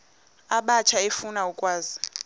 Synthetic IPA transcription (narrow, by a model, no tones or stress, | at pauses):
aɓat͡ʃʰaefunaukʼwaːzi